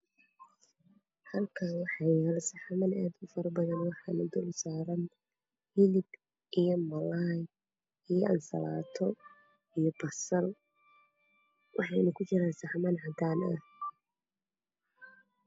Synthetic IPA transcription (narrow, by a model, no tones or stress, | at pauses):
hɐlkʰaːwɑħɑjɛlsɐħmɐnaːd̪ʊfɐɾɐbɐðɐnwɑħɑnʊd̪ʊlʊsaːɾɐn | hɪlɪb | ʔijɔmɐlaj | ijɔʔɐnsɐ̰laːt̪ʰɔ | ijɔbɐsɐl | wʔɑħɑnɐkʰʊt͡ʃɪɾaːnsɑħmɐnʕɑd̪aːnɐ̰h